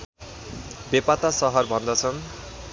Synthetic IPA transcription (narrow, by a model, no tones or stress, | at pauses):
bepat̪asʌɦʌrbʱʌnd̪ʌt͡sʰʌn